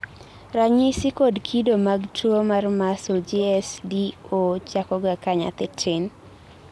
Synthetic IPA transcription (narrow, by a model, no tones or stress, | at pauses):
raɲɪsɪkodkʰidomaɡtʰomarmasod͡ʒiɛsdiot͡ʃakɔɡakaɲa̰t̪ɪtʰɪn